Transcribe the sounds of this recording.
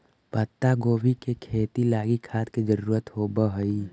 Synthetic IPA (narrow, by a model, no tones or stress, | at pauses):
pət̪ːaɡoːbikekʰeːt̪ilaːɡikʰaːt̪ked͡ʒəɾuːɾət̪ɦobəɦəi